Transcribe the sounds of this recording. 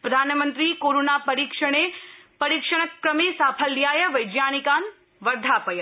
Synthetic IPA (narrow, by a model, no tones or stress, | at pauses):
pɾəd̪ʱanmə̃nt̪ɾikoɾonapəɾikʂəɽ̃epəɾikʂəɽ̃əkːɾəmisapʰəlːjajəʋəjd͡ʒjanikan | ʋəɾd̪ʱapəj